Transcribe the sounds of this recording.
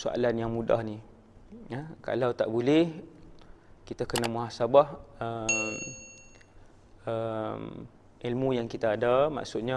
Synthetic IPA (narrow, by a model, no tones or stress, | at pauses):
soa̰lanjaŋmuda̰hni | əka̰lawt̪aʔbulɛh | kit̪akənamuɦasabahəm | əm | ilmũjaŋkit̪aːdama̰ʔsʊt̪̚ɲa